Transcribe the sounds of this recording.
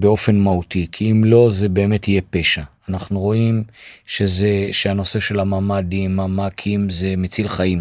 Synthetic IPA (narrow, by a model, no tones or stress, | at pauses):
beo̞fe̞nmahutikʰiimlo̞ze̞be̞ːme̞tije̞pe̞ʃaːnaχnuʁo̞imʃezeʃeano̞se̞ʃe̞lamaːmadimamakʰimze̞met͡silχaim